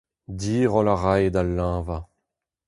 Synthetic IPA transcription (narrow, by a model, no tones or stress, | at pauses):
d̪iːʁɔlaʁajed̪alːãːva